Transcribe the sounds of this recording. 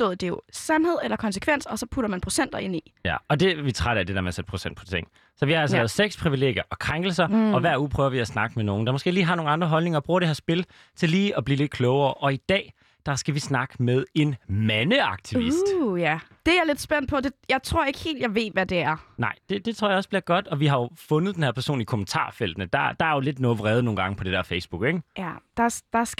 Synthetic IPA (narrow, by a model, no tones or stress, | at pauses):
sd̥o̰ðˠd̥e̝jo̝sænhe̝ð̞̰ˠelɐkʰɒ̽nsə̥kʰʋen̰sɒ̽sɒ̽pʰuɾɐmænpʰʁo̝sen̰d̥ɐe̝n̰ijæɒ̽d̥e̝ʋit͡sʰʁaɾæd̥e̝dæɐmænsed̥̚pʰʁo̝sen̰d̥̚pʰɒ̽t͡sʰeŋ̰ | sɒ̽ʋihɑ̈ælsəɛːð̩ˠseɡ̥spʰʁiʋile̝̰ːɡjɐʔɒ̽kʰʁaŋɡ̥l̩sɐɒ̽ʋæɐ̰ṵːpʰʁœːʊɐʋiæsnɑ̈ɡ̥əmeno̝ːn̩d̥ɑ̈mɔsɡ̥e̝̰ːliːɦɑ̈no̝ːŋn̩ɑ̈nd̥ʁɐɦɒ̽lne̝ŋɐɒb̥ʁuːɐɾ̥eheɐsb̥e̝l | t͡sʰe̝lːiːɒb̥liːle̝d̥̚kʰlɔːʊɐːʔɒ̽id̥ɛ̰ː | d̥ɑ̈sɡ̥æʋisnɑ̈ɡ̥əmeð̞ˠe̝nmænəɑ̈ɡ̥̚t͡sʰiisd̥jæd̥e̝aɐled̥sb̥en̰d̥̚pʰɒ̽d̥e̝jɑ̈ɪt͡sʰʁo̝ɐe̝ɡ̥he̝̰ːld̥jɑ̈ɪʋe̝ːʋæd̥e̝æɐnɑ̈ɪ̰d̥e̝d̥e̝t͡sʰʁo̝ɐ̰jɑɒ̽sb̥liɐɡ̥ɒ̽d̥ɒ̽ʋiɦɑ̈jo̝fɔ̽nð̞̩ˠd̥enhe̝ɐpʰæɐso̝̰ːnlikʰomən̩t͡sʰɑ̰̈ːfel̰d̥nəd̥ɑ̈d̥ɑ̈æɐjo̝le̝d̥nɔʋʁɛːð̩ˠno̝ːn̩ɡɑ̈ŋəpʰɒ̽d̥e̝d̥ɛɐfeɪsb̥uɡ̥eɡ̥d̥ɑd̥ɑs